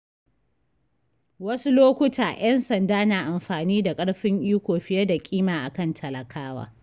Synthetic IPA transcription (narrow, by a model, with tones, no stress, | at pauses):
wɐ˦su˦loː˦kʷʊ˦taː˨j̰ʔɐ˦nsɐ˨ndaː˦naː˨ʔa˨mɸaː˨niː˦da˨kʼɐ˦ɽɸɪ˦ŋʔiː˦kʷoː˨ɸɪ˦jɐ˦da˨kʲʼiː˦maː˨ʔa˨kɐ˦ntʰɐ˨lɐ˨kʰaː˦wa̰ː˦